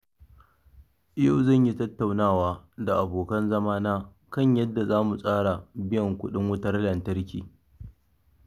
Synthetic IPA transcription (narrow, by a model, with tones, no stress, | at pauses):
ja˦˨wzɐ˦˨ɲji˦tɐ˦tːa˨wnaː˦˨waː˦da˨ʔa˨boː˨kɐ˦nzɐ˦maː˦naː˦ | kɐ˦ɲjɐ˦dːa˨zaː˦mu˨sʼaː˦ɽa˨bɪ˦jɐ˨ŋkʷʊ˦ɗɪ˦ŋwʊ˦tɐ˦rlɐ˨ntɐ˦rkʲiː˨